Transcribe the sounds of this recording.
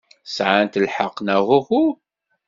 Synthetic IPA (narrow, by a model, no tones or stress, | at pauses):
sʕant̪əlħəqːnæhuhu